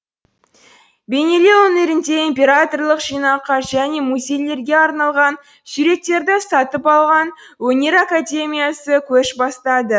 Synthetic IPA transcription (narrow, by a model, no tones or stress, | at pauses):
be̞ne̞le̞wɵne̞ɾɪnd̪e̞imʲpʲe̞ɾat̪o̞rlˠəqʒ̥ijnɑqɑʒæne̞muzʲe̞jle̞ɾɡʲe̞ɑɾnɑlˠʁɑn | sʏɾe̞k̚t̪e̞ɾd̪ɪsɑt̪əpɑlˠʁɑn | wɵne̞ɾakad̪ʲe̞mʲijasəkʲʰɵʃbɑst̪ɑd̪ə